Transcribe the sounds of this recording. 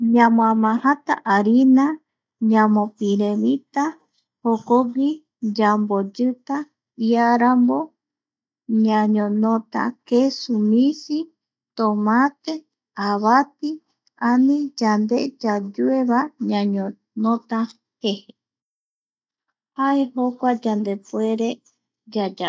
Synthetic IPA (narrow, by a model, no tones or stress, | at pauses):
ɲãmõamãhat̪a̰ʔaɾina | ɲãmõpiɾemit̪a | hokoɡi | d͡ʒambod͡ʒɨt̪a | iaɾambo | ɲãɲõnot̪a̰kesumĩsi | t̪omãt̪e | aβap̪i | anĩd͡ʒand̪ed͡ʒad͡ʒueβaɲãɲõ | nõt̪a | hehe | haeɦokʷad͡ʒand̪epweɾe | d͡ʒad͡ʒa